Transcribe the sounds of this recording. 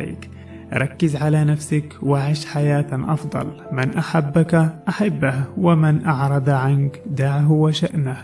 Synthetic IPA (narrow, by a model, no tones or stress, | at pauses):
ḭːk | ɾˤɑkːɪzʕalaːnafsakwaʕɪʃħajaːt̪ʔɑ̰fd̪ˤɑ̰l | mɪnʔaħabːakʔaħabːahwamɪnʔɑʕɾˤɑd̪ʕankd̪aʕɦwaʃaʔnah